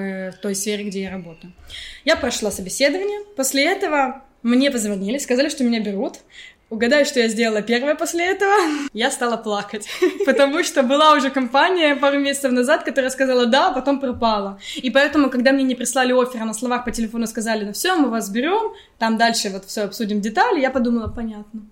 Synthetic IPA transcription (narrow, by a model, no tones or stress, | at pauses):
ft̪o̞jsfʲeɾʲɪɡdʲejaɾɐbo̞t̪əjʊjapɾɐʂlˠosəbʲɪsʲe̞d̪əvənʲɪjəposʲlʲɪɛt̪əvə | mnʲe̞pəzvɐnʲilʲɪskɐzalʲɪʂt̪omʲɪnʲabʲɪɾut̪ | ʊɡɐd̪ajʊʂt̪o̞jazʲdʲelˠəlˠəpʲe̞rvəjəposʲlʲɪɛt̪əvəjast̪alˠəplˠakətʲpət̪ɐmuʂt̪o̞bɨlˠaʊʐɛkɐmpanʲɪjəpaɾʊmʲesʲɪt̪səfnɐzat̪kɐt̪o̞ɾəjəskɐzalˠəd̪apɐt̪o̞mpɾɐpalˠəipɐɛt̪əmʊkɐɡd̪amnʲenʲɪpɾʲɪslˠalʲɪo̞fʲɪɾənəslˠɐvaxpətʲɪlʲɪfo̞nʊskɐzalʲɪnofsʲomɨvasbʲɪɾʲo̞m | t̪amd̪alʲʂɨvo̞t̪fsʲoɐpsudʲɪmdʲɪt̪alʲɪjapɐd̪uməlˠəpɐnʲat̪nə